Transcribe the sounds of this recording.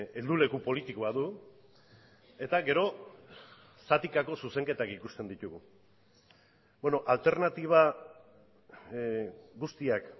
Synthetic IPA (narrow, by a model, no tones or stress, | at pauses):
e̞ld̪ule̞kupo̞lit̪ikoaðu | e̞t̪aɡe̞ɾo̞ | sat̪ikako̞suse̞ŋke̞t̪akikust̪e̞nd̪it̪uɣu | benoʔalt̪e̞ɾnat̪iβ̞a | ɡust̪iak